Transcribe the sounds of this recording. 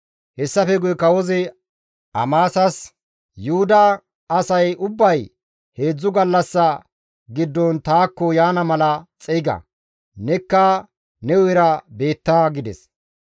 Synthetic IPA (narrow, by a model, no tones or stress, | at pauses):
hɛsːɐfɛɡʊjɛkɐwɔzɛ | ʔɐmaːsɐs | jʊhʊd̪ɐː | sɐjʊbːɐj | he̞ːd͡zːʊɡɐlːɐsːɐ | ɡɪd̪ːɔnt̪aːkːɔjaːnɐmɐlɐt͡sʼɛɪɡɐ̰ | nɛkːɐ | nɛwɔjɛɾɐbe̞ːt̪ːaɡɪd̪ɛ̰s